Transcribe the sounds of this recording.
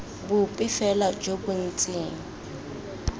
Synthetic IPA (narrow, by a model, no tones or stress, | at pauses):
bʊpʼɪfɛlad͡ʒobʊn̩t͡sʼeːŋ̩